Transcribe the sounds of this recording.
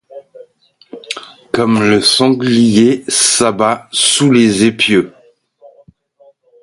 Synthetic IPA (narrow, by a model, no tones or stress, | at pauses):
kɔmləsɑ̃ɡlijesabasulezepjø